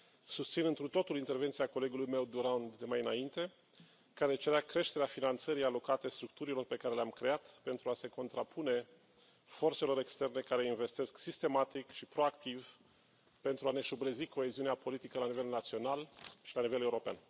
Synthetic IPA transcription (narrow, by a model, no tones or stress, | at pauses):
sust̪sinɨnt̪ɾut̪o̞t̪ulint̪e̞rvent̪siako̞le̞ɡulujme̞wd̪uɾand̪d̪emajɨnaint̪e̞ | kaɾet͡ʃe̞ɾeakɾe̞ʃt̪e̞ɾeafinant̪səɾijalo̞kat̪e̞st̪ɾuk̚t̪uɾilo̞rpe̞kaɾe̞leamkɾe̞at̪pe̞nt̪ɾuase̞ko̞nt̪ɾapʰune̞ | fo̞rt̪se̞lo̞ɾe̞kst̪e̞rne̞kaɾe̞inve̞st̪e̞sksist̪e̞mat̪ikʃipɾo̞akt̪iv | pe̞nt̪ɾuane̞ʃubɾəziko̞e̞ziuneapo̞lit̪ikəlanive̞lnat̪sio̞nalʃilanive̞leuɾo̞pea̰n